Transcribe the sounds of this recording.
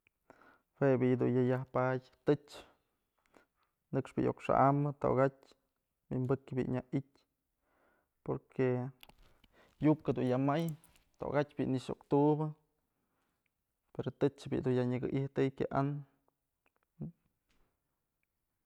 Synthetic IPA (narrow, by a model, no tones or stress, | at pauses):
webʲijd̪ṵnjajahpatʲt̪ɨt͡ʃ | nɨkʂbʲijʔo̰kʂa̰ʔamɨt̪o̰ɡatʲ | bḭʔmbɨkbḭʔɲaitʲ | poɾkʰe | jup̚ked̪unjamaj | t̪o̰ɡatʲbʲiʔniʂo̰kt̪uʔbɨ | peɾot̪ɨt͡ʃbḭd̪unjaɲɨɡɨ̰ʔiht̪ɨjkʲaʔan